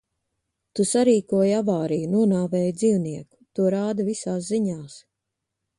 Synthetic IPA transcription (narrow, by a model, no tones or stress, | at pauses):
t̪usaɾiːkuɔjavaːɾijunuɔnaːvɛːjd̪ziːwniɛku̥t̪uɔɾaːd̪ɐvisaːsziɲaːs